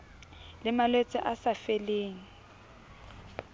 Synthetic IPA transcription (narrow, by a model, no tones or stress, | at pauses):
lɪmalwet͡sʼɛʔasafeleːŋ̩